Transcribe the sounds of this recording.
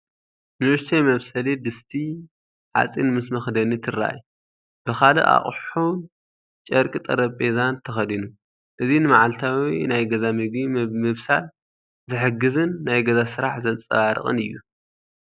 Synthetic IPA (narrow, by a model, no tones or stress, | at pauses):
mɐɾt̪ʰɐjmɐβsɐlid̪ɨst̪ʰi | ʕa̰t͡sʼinmɨsmɐxd̪ɐnit̪ʰɨɾa̰j | b̥ɨxalɨ̰ʔa̰χʼħun | t͡ʃʼɐɾkʼit̪ʼɐɾɐpʼezant̪ʰɐxɐd̪inu | ʔɨzinɨmaʕalt̪ʰawinajɡɐzamɨɡimɨβsa̰l | zɨħɨɡɨzɨnːajɡɐzasɨɾaħzɐnt͡sʼɐ̰βaɾɨ̰xʼɨ̰nɨjːu